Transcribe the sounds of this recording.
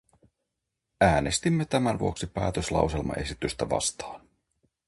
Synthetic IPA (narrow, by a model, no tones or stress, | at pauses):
æːnest̪imːe̞t̪æmænʋuo̞ksipæːt̪øslɑ̰wse̞lmɑ̰ʔe̞sit̪yst̪æʋɑ̰st̪ɑ̥ːn